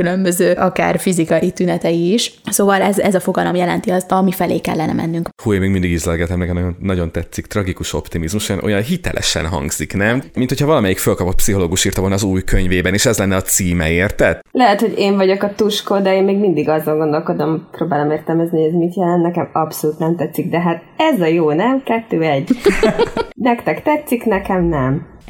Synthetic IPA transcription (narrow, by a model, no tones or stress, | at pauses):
kylømbø̞zøːʔɒka̰ːrfizikɒjit̪ynɛt̪ɛjiːʃsoːvɒlɛzɛzɒfo̞ɡɒlo̞mjɛlɛnt̪iɒzɒmifɛleːkɛ̰lːɛnɛ̰mɛ̰nːyŋkhujmeːɡmind̪iɡizlɛlɡɛt̪ɛmnɛkɛmnonɒɟo̞nt̪ɛt̪sikt̪rɒɡikuʃo̞pt̪imizmuʃojɑ̰no̞jɒnɦit̪ɛ̰lʔɛ̰ʃɛ̰nɦɒ̰ŋɡz̥iknɛmmint̪ho̞cʰhɒvɒlɒmɛjikfølkɒpo̞t̪psiɦo̞loːɡuʃiːrt̪ɒvolnɒːzuːjkøɲveːbɛneːʃɛzlɛnːɛɒt̪siːmɛeːrt̪ɛt̪lɛɦɛt̪ho̞ɟeːɱvɒɟo̞kɒt̪uʃkoːd̪ɛeːnmeːɡmind̪iɡɒzɒŋɡo̞nd̪o̞lko̞d̪omproːbaːlo̞meːrt̪ɛlmɛzniojɛzmit̪jɛlɛnt̪nɛkɛmɒpso̞luːt̪nɛmt̪ɛt̪sːik̚d̪ɛɦaːt̪ | ɛzɒjoːnɛmkɛt̪ːøːɛɟː | nɛkt̪ɛkt̪ɛt̪siknɛkɛmnɛm